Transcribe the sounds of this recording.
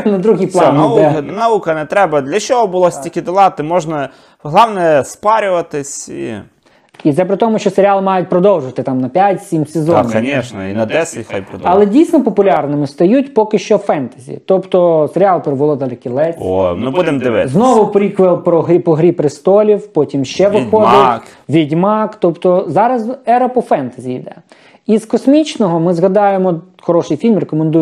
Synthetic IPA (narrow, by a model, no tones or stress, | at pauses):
nɐd̪ɾuɦiplˠɑnɛnɐukɐnɛt̪ɾɛbɐd̪lʲɐt͡ʃɔɦɔbʊlˠɔsʲtʲikʲɪd̪ɪlˠɑt̪ɪmɔʒnɐ | ɦlˠɑwnɛspɑɾʲʊʋɐt̪ɪsʲḭ | it̪zɛpɾɪt̪ɔmʊʃt͡ʃɔseɾʲɪalˠmɑjʊt̚ʲpɾɔd̪ɔwˠʒʊʋɐt̪ɪt̪ɑmnɐpʲjatʲsʲimsezɔnʲɐnʲɛʃnɛ̰ḭnɐd̪ɛsʲɪtʲxajpɾɔɐlˠɛdʲijsʲnɔpɔpʊlʲɑrnɪmɪst̪ɐjutʲpɔkɪʃt͡ʃɔfɛnt̪ɐzʲḭt̪ɔpt̪ɔseɾʲɪɑlˠpeɾɪbʊlˠɔd̪ɐlʲˠɛkʲilˠɛtʲnubud̪ɛmd̪ɪʋznɔʋʊpɾʲikʋelˠpɾɔɦɾʲipɔɦɾʲipɾɪst̪ɔlʲiwpɔtʲimʃt͡ʃɛʋɪxɔd̪ɪʋʲidʲmɑkt̪ɔpt̪ɔzɑɾɐzɛɾɐpɔfɛnt̪ɐzʲijd̪ɛ̰ | izkɔsʲmʲit͡ʃnɔɦɔmɪzɦɐd̪ɑjemɔ | xɔɾɔʃɪjfʲilʲmrekɔmend̪uj